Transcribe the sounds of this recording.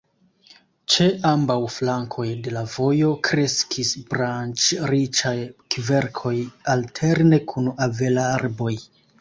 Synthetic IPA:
t͡ʃe̞ʔambawflaŋkʰo̞jde̞lavo̞jo̞kɾe̞skʰisbɾant͡ʃɾit͡ʃajkve̞ɾkʰo̞jaltʰe̞ɾne̞kʰunave̞laaɾbo̞j

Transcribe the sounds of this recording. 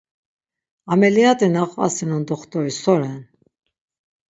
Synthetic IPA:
amɛliat̪ʼinaχva̰sinɔnd̪ɔχt̪ʼɔɾisɔɾɛn

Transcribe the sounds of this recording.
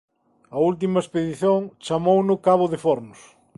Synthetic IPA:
ɐult̪̬imɐespeðiθjoŋt͡ʃamownʊkaβʊðefoɾnʊs

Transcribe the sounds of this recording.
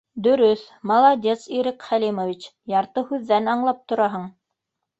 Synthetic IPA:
d̪ɵ̆ɾɵθ | mɑlˠɑd̪ʲesiɾikχælimovʲit͡ɕ | jɑɾt̪ɤhʉðːænɑɴlˠɑp̚t̪ŏɾɑɦɤɴ

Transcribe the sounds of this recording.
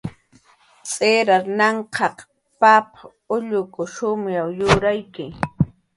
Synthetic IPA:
t͡sʼeɾaɾnɑɴqʰɑq | papa | ʊʎʊkʊʃʊmjawjʊɾajkɪ

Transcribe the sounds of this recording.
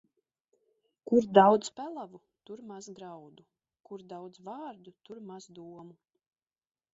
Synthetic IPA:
kuɾd̪awd̪zpælˠavu | t̪uɾmazɡɾawd̪u | kuɾd̪awd̪zvaːɾd̪ut̪uɾmazd̪uɔmu

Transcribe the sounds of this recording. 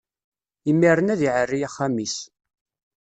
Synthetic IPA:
imːiɾˤənæðiʕərːijæχːamis

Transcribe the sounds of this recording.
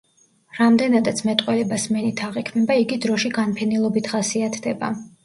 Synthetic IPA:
ɾamd̪ɛnad̪at̪sʰmɛt̪ʼqʼwɛlɛbasmɛnit̪ʰaʁikʰmɛbaiɡid̪ɾɔʃiɡanpʰɛnilˠɔbit̪ʰχasiat̪ʰd̪ɛba̰

